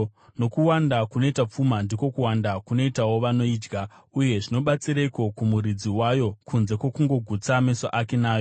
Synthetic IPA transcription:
no̞kuwandakuno̞itap͡fumandiko̞kuwandakuno̞itawo̞ʋano̞iːd͡ʒɡʱauje̞ʐino̞ɓat͡siɾaiko̞kumuɾid͡ziwajo̞kʰunze̞kwo̞kuŋɡo̞ɡʱut͡same̞so̰ʔake̞naːjo

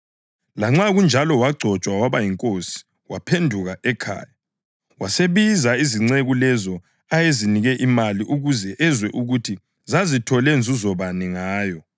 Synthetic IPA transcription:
laŋ͡ǁaɣund͡ʒʱalɔwaɡ͡ǀʱɔt͡ʃʼwawaβajiŋkʼosi̥ | wapʰendʱuɣaʔɛkʰa̰ːja | waseβizaiziŋ͡ǀeɣulɛzɔ | ajeziniɣɛʔimaliʔuɣuzɛʔɛzwɛʔuɣutʰi | zazitʰɔlɛnd͡zʱuzɔβanɛŋaːjɔ

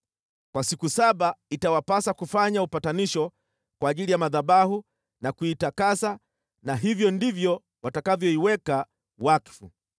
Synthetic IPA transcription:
kwasikusaɓaitawapasakufaɲaupataniʃɔ | kwaːʄilijamaðaɓahu | nakuitakasa | naɦivjɔndivjɔ | watakavjɔiwɛka | wakfu

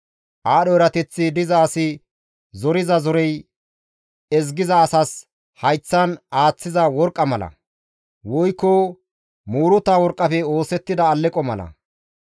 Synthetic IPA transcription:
ʔaːɗɔɛɾɐt̪ɛt͡sːɪd̪ɪzaːsɪ | zɔɾɪzɐzɔɾɛj | ɛzɡɪzɐːsɐs | hɐjt͡sːɐnaːt͡sːɪzɐwɔɾkʼːɐmɐlɐ̰ | wɔjkːɔ | muːɾʊt̪ːaːwɔɾkʼːɐfɛo̞ːsɛt̪ːɪd̪ɐːlːɛkʼːɔmɐ̰lɐ̰

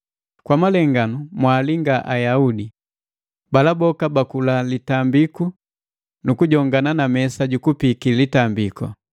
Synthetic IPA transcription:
kwamalɛŋɡanumwaːliŋɡaʔajaudi | balabɔkabakulalitambiku | nukuɟɔŋɡananamɛsaɟukupikilitambikɔ̰

